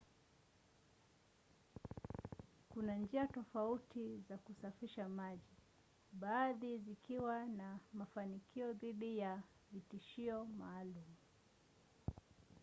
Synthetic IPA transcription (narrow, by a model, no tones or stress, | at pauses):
kunand͡ʒiatɔfautizakusafiʃamaʄi | ɓaːðizikiwanamafanikʰiɔðiɗija | vitiʃiɔmaːlumu